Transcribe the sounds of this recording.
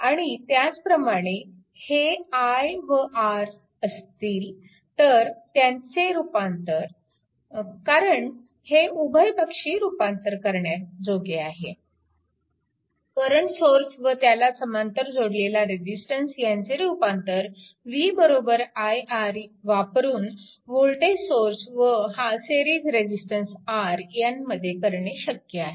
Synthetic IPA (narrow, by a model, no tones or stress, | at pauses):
aɽ̃it̪jat͡spɾəmaɽ̃e | heajʋəʔaɾ | əst̪iːl | t̪əɾt̪jaɲt͡seɾupant̪əɾ | kaɾəɳ | heʔubʱəjbəkʂiːɾupant̪əɾkəɾɳjat̪d͡zoɡeaɦe | kəɾəɳsoɾsʋət̪jalasəmant̪əɾd͡zʱoɽlelaɾed͡ʑisʈənsjant͡seɾupãnt̪əɾ | ʋiːbəɾobəɾajaɾʋapɾuːn | ʋoɭʈesoɾsʋəɦaseɾiːd͡zɾed͡ʑisʈənsaɾjanməd̪ʱːjekəɾɳeɕəkjəaɦe